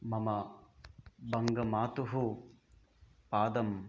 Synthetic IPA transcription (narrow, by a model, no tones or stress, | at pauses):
mɐmɐ | bɐŋɡɐmaːt̪uɦu | paːd̪ɐm